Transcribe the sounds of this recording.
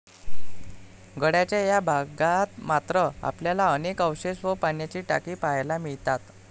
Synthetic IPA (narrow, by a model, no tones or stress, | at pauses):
ɡəɽjat͡ɕjajabʱaɡat̪mat̪ɾəa̰pljalaənekəwɕeɕʋəpaɳjat͡ɕiːʈa̰kiːpajlamiɭt̪at̪